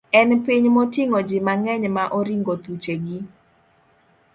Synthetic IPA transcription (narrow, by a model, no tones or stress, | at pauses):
ɛnpiɲmotɪŋɔd͡ʒɪmaŋɛɲmaʔɔɾiŋɡot̪ut͡ʃeɡi